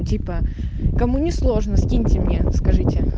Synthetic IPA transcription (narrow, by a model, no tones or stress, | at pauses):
tʲipə | kɐmunʲɪslˠo̞ʐnəsʲkʲinʲtʲɪmnʲeskɐʐɨtʲɪ